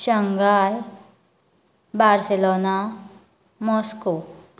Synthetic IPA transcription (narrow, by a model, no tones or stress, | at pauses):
ʃəŋɡaːj | baːɾseloːna | mɔːsko